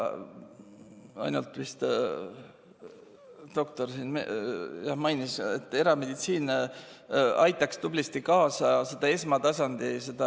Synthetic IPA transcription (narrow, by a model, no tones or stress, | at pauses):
ɑ̰jnult̪ːˑvist̪ | d̪̥o̞k̚t̪o̞rsinmejɑhmɑjniset̪ːˑe̞ɾɑme̞d̪̥it̪siːn | ɑjt̪ːˑɑkst̪ub̥list̪ikɑːsɑse̞d̪̥ɑe̞smɑt̪ɑsɑnd̪ise̞d̪̥ɑ